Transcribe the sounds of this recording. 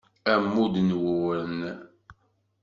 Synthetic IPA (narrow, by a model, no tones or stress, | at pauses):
æmːud̪nwuwɾən